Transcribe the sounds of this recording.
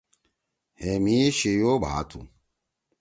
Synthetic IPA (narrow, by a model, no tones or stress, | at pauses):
hemieɕijoːbʱa̰ːt̪ʰṵ